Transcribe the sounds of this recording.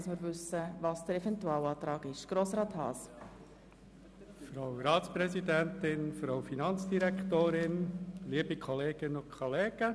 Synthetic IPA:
ɑsmɪɾvʏsːəvɑːsd̥əɾɛvɛntuɑːlɑːt̪ɾɑːɡɪʃɡ̥ɾoːsɾɑːthɑ̰ːs | fɾawɾɑːtspɾɛsidɛntɪnfɾaʊfinɑnt͡sd̥iɾɛktoːɾɪnliːəbikʰɔleːɡ̥ənʊnkʰɔleːɡ̥ə

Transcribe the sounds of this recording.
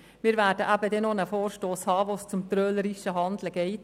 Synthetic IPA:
mɪːɾvæːɾdəʔæbədɛnonəfoːɾʃtoːshɑːvoːst͡sʊmt̪ɾœːləɾiʃəɦɑnd̪ləɡ̥ɛɪt

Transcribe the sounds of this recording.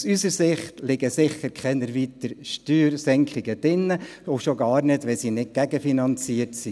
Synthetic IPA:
sysəɾsɪχtlɪɡəsɪχːəɾkʰɛnəɾʋit̪əɾʃtyːɾsɛŋkχɪɡəd̥ɪnːə | oʃoɡɑːɾnɪdʋɛsinɪt̚ɡ̥æɡəfinɑnt͡siəɾtsi

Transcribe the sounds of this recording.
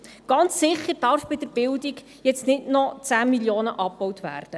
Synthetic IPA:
ɡ̥ɑnt͡ssɪχəɾdɑrfb̥ɪd̥əɾb̥ɪldiɡ | jɛt͡stnɪdnɔt͡sæːmiljoːnəʔɑp̚b̥ɔwtvæ̰ːrd̥ə

